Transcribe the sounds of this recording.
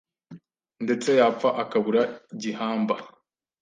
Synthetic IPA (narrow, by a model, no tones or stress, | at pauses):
nde̞t͡se̞jaːp͡faʔakaβuɾaɟihaːmba